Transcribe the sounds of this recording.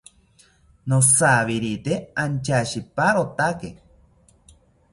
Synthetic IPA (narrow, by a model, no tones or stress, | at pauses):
nosaβiɾit̪eant͡ʃaʃipaɾot̪ake